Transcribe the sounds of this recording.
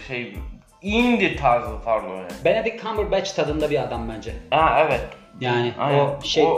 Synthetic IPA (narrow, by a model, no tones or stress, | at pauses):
ʃejb | ind̪iɾt̪ʰaɾzˠɯt̪ʰaɾklˠonɛbened̪ikʰːambəɾbɛt͡ʃt̪ʰad̪ɯnd̪abiad̪ambønd͡ʒɛhɛɛvɛt̪ | jaːnɪaoʃej